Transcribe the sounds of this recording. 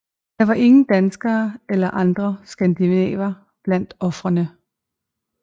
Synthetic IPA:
d̥ɑ̈ʋɑ̈ʔe̝ŋn̩d̥ænsɡ̥ɐːelɐʔɑ̈nd̥ʁɐsɡ̥ænd̥inɛ̰ːʋɐ | b̥læn̰d̥ɒ̽fʁɐnə

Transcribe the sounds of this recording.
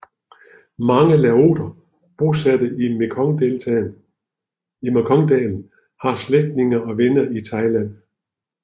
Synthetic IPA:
mɑ̈ŋəlæo̝̰ːd̥ɐ | b̥o̝sæd̥əʔimʰŋdel | imkʰɒ̽ŋd̥ɛːln̩ | hɑ̈sleɡ̥̚d̥ne̝ŋɐɒ̽ʋenɐʔit͡sʰɑ̈ɪlæn̰

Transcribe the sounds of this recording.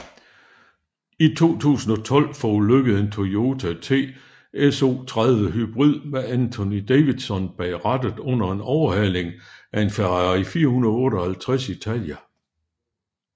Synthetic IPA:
it͡sʰo̝̰ːt͡sʰṵːsn̩ɒ̽t͡sʰɒ̽l̰fɒuløɡ̥əð̩ˠe̝nt͡sʰoo̝ːt͡sʰæt͡sʰe̝̰ː | eso̝̰ːt͡sʰʁaðˠʋəɦyb̥ʁið̰ˠmæænt͡sʰo̝nid̥eʋid̥sɒ̽nb̥ɛɪʁad̥əð̩ˠɔ̽n̰ɐe̝nɒʊɐɦæn̰e̝ŋæe̝nfæʁɑifiːɐhunɐðˠɔ̽ːɾɒhælt͡sʰʁasit͡sʰæljæ

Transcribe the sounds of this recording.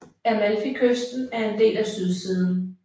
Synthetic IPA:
æmælfikʰøsd̥n̩æɐe̝nd̥e̝̰ːlæsyð̞ˠsiːð̞ˠn̩

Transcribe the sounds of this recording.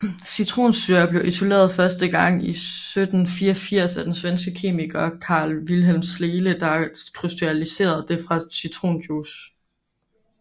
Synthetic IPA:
syt͡sʰʁo̝̰ːnsyɐɐb̥le̝ʊʔiso̝le̝̰ːɐð̞̩ˠfɶɐsd̥əɡ̥ɑ̈ŋ̰isød̥n̩fiɐfiɐ̰sæd̥ensʋensɡ̥əkʰe̝̰ːmiɡ̥ɐkʰɑ̈ːlʋilɦel̰msle̝ːləd̥ɑ̈kʰʁysd̥iælise̝̰ːɐð̞ˠd̥e̝fʁɑ̈syt͡sʰʁo̝̰ːnd̥jus

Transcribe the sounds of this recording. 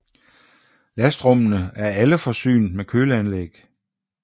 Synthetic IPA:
læsd̥ʁɔ̽mənəæɐæləfɒ̽sy̰ːnd̥mekʰøːləænleɡ̥

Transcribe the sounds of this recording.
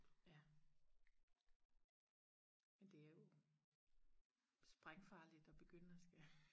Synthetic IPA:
jæ | mend̥e̝æɐjo̝ | sb̥ʁaŋfɑ̈ːlid̥ɒ̽b̥e̝ɡ̥øn̰æsɡ̥æ

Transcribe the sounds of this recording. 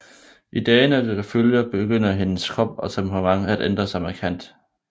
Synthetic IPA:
ʔid̥ɛːnæded̥æføljɐb̥e̝ɡ̥øn̰ɐɦe̝nəskʰʁɒ̽b̥̚ɒ̽sɒ̽mhɑmɑ̈ŋəæd̥ʔend̥ʁɐsɑ̈ɪmækʰæn̰d̥

